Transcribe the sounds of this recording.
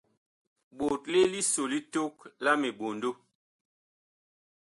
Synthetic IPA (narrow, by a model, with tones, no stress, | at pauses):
ɓo˨tle˦li˦so˨li˦to˦kla˦me˨ɓo˨ndo˦